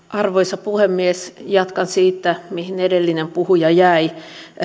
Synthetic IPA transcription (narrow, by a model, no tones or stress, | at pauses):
ʔɑrʋoisɑpuhemːiesjɑt̪kɑnsiːt̪ːæmihinedelːinempuhujɑjæi